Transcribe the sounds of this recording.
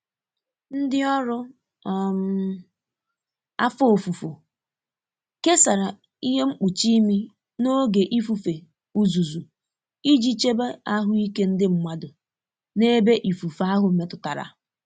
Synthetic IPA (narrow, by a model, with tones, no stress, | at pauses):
n̩˦dɪ˦ɔ˦ɾʊ˦ | m̩˦ | a̰˦fo˨fu˨fo˨ | ke˦sa˨ɾa˨ | i˦ɦe˦ŋ͡m̩˦k͡pu˨t͡ʃi˦mi˦ | no˦ɡe˨ʔi˦fu˨fe˨ | u˨zu˨zu˨ | i˦d͡ʒi˦t͡ʃe˦be˦a˦ɦʊ˦i˦ke˦n̩˦dɪ˦ŋ͡m̩˨mʷa˦dʊ˨ | ne˦be˦ʔi˨fu˨fa˦ɦʊ˨˦me˨tʊ˨ta˨ɾa̰˨